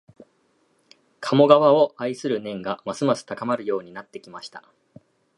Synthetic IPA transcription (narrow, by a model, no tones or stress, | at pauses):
kʰamo̞ɡaβao̞aisɨɾɯ̟nẽ̞ŋɡamasɨmasɨ̥t̪akamaɾɯ̟jo̞ːɲ̟inat̪ːe̞kʲimaɕi̥t̪a